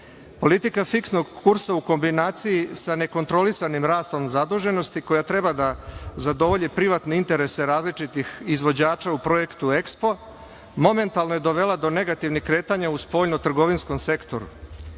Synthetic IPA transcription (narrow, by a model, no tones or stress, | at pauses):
po̞lit̪ikafiksno̞ɡkuɾsauko̞mbinaːt̪sijisane̞ko̞nt̪ɾo̞lisanimɾaːst̪o̞mzad̪uːʒe̞no̞st̪iko̞jat̪ɾe̞bad̪azad̪o̞ʋo̞ʎipɾiʋat̪ne̞int̪e̞ɾe̞se̞ɾaːzlit͡ʃit̪ixizʋo̞d͡ʑaːt͡ʃaupɾo̞je̞kt̪ue̞kspo̞ | mo̞me̞nt̪alˠno̞je̞d̪o̞ʋe̞lˠad̪o̞ne̞ɡat̪iʋnixkːɾe̞ːt̪aɲauspo̞ːʎnot̪r̩ɡo̞ʋinsko̞mse̞kt̪o̞̰ɾṵ